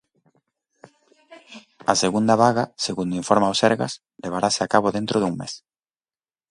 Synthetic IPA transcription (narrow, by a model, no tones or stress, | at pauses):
aseɣund̪aβaɣaseɣund̪iɱfoɾmaosɛɾɣa̰s | leβ̞aɾaseakaβ̞oðent̪ɾoðuŋmḛs